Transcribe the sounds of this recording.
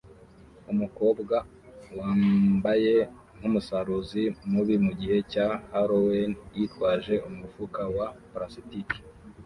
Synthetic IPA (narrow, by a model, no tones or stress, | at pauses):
umuko̞ːbɡa | waːbaje̞ | ŋ̥humusaɾuzimuβimuɟihe̞cahaɾowenjitwaːʒe̞umuufukawapɾasitiki̥